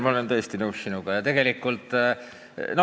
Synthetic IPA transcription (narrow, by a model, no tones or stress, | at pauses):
mɑolent̪ɤ̞ːst̪inɤwsːinuɡ̥ɑjɑt̪e̞ɡe̞likːˑult̪ˑ | nɑ